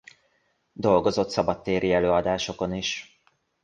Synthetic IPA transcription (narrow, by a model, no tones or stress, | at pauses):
d̪o̞lɡo̞zo̞t̪sɒbɒt̪ːeːɾʔiɛløːɒd̪aːʃo̞ko̞niʃ